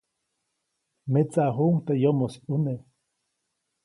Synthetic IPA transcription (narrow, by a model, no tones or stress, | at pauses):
met͡saɦuŋt̪ejomosiune